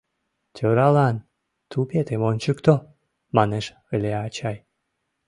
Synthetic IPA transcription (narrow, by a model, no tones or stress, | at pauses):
t̪ʲʰøɾɑlɑn | t̪ʰupet̪emont͡ɕəkt̪o | mɑneʃ | əlʲeɑt͡ɕɑj